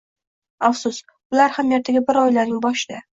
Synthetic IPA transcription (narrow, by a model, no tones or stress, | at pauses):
afsʊs | ʊlaɾhamjaɾt̪ʰaɡʲabɪɾɒjlaɾnɪŋbɒʃɪd̪a